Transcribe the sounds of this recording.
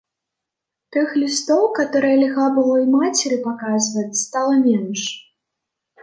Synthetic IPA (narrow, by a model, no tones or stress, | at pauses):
t̪ɨxlʲist̪ɔwkat̪ɔɾɨjɐlʲiɣabɨlˠɔjmat͡sʲɛɾɨpakazvɐt͡sʲst̪alˠɐmʲɛnʂ